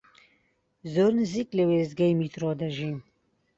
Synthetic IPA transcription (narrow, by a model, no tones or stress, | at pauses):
zoːɾnɨziːklɨweːzɡɛjmiːt̪ɾoːd̪ɐʒiːn